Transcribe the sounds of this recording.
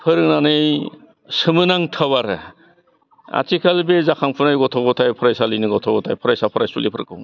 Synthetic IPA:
pʰɯɾɯk̚nanɯj | sɯmɯnaŋtʰawaɾɯ | a̰tʰikʰalbezakʰaŋpʰɯnajɡɔtʰɔɡɔtʰajpʰɯɾajsalinɯɡɔtʰɔɡɔtʰajpʰɔɾajsapʰɯɾajsulipʰɯɾɯkʰɯ̰wŋ

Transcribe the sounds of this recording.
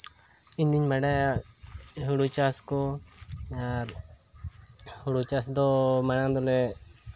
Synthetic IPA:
iɲd̪iɲmaɽaja | ɦuɽut͡ʃaskɔ | aɾ | huɽut͡ʃasd̪ɔmaɽ̃ãŋd̪ɔlɛ

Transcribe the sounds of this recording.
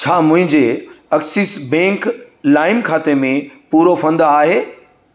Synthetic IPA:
t͡ɕʰaːmʊ̃ɦɪ̃ɲd͡ʑeɐksisbɛ̃ːŋk | laːɪmkʰaːt̪emẽpuːɾofɐ̃nd̪aːɦeː

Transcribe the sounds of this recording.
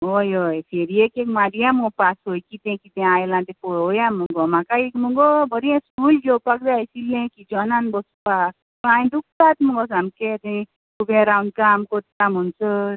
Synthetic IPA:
ojojpʰeɾiekekmaɾijãmupasɦojkit̪ɛ̃kit̪ɛ̃ajlãt̪epɔojamuŋɡɔmãkaekmuŋɡɔbəɾiɛ̃skuld͡ʒɔpakdajsilẽkid͡ʒɔnanbɔspa | bãj̃ɖuk̚t̪at̪mũŋɡɔs̬amket̪ɛ̃ | t̪ubẽɾawnɖ̚kamkot̪t̪amɔnsɔ

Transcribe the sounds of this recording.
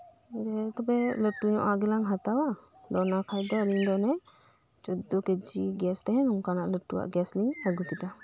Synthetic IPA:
ɡɛt̪ɔbɛləʈuɲɔʔaɡɛlaŋɦat̪awa | d̪ɔnakʰajd̪ɔliɲd̪ɔnɛ | d͡ʒɔd̪ɔkɛd͡ʒiɡɛst̪ɛɦɛ̃nuŋkanaʔləʈuwa̰ʔɡɛsliɲaɡukit̪a

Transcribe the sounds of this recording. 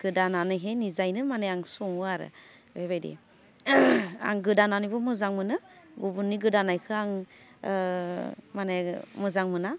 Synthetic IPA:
ɡ̥ɯdananɯɦenizajnɯmaneaŋsɔŋuaɾɯ̰ | beβajdḛ | a̰ŋɡɯdananibɔmɯzaŋmɯnɯɡubunːiɡɯdanajkʰɯaŋ | manemɯzaŋmɯna

